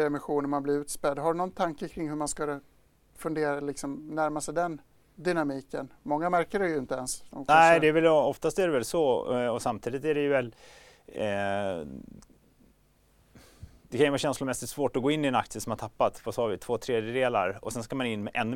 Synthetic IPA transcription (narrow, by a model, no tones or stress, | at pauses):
ɛmɪɧuːnəmanblɪɾʉ̟ːt̪spɛd̪ːɦaɖɵnɔnt̪ʰaŋkəkʰɾɪŋːɦɵmanskɵlə | fɵnd̪eːɾalɪksɔmnæɾmasɛjd̪ɛn | d̪ɪnamiːkənmɔŋːamæɾkəɖɛjɵɪnt̪əɛnsd̪ɔmknɛɪd̪ɛːɾvɛlɔft̪ast̪æɖɛvɛlsɔɔsamt̪ʰiːd̪ɪt̪æɖɛjɵvɛl | d̪̥ɛkʰanjʏvɑːɕɛnslʊɾmɛsɪt̪svoːʈɔɡoːɪnːɪɛnakt̪sɪəsɔmhat̪ʰapːat̪vasɑːvɪt̪ʰv̥oːt̪ʰɾeːd̪jəd̪eːla̰ɾɔsɛnskamanɪnːmɛʔɛnː